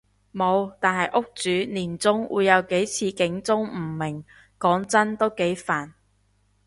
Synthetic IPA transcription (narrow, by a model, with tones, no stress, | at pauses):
mo˨˧wt̪aː˨nɦɐ˨jʔʊ˥k̚t͡syː˨˥niː˨˩nt͡sʊ˥ŋwʔṵː˨˧jːɐ˨˧wke˨˥jt͡sʰiː˧kɪ˨˥ŋt͡sʊ˥ŋm̩˨˩mɪ˨˩ŋ | kɔː˨˥ŋt͡sɐ˥nt̪o˥wke˨˥jfaː˨˩n